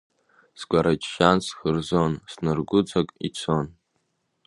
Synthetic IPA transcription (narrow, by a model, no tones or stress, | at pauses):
sɡʷʼaɾat͡ʃʰʼʃansχɨrzonsnɨrɡʷʊd͡zakʼḭt͡sʰon